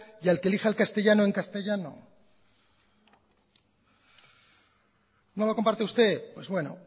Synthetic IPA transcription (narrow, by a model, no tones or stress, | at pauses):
jialkelixaelkast̪e̞ʝanoe̞ŋkast̪eʝano̰ | no̞lo̞ko̞mpaɾt̪eust̪e̞pwe̞zβwe̞no̞̰